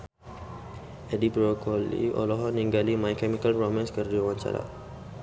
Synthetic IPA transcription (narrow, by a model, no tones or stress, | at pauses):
ɛdipɾokʰɔlḭɔ̰lɔɦɔnĩŋɡalimajkɛmikalromɛ̃nskərdiawãɲt͡ʃa̰ɾa̰